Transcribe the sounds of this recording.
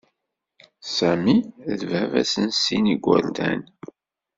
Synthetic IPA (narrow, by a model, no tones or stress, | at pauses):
sæmiðvævæ̰sənsiniɡʷːə̰ɾd̪æn